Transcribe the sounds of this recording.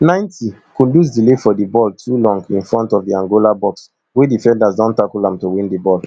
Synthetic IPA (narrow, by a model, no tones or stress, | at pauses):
nãɪ̃ntikũlus̬dilefɔdibɔltʰulɔ̃ŋɡĩnfɹɔ̃ntɔvdiãŋɡolabɔks | wedifɛ̃ndasdɔ̃ntakulãmtuwĩndibɔl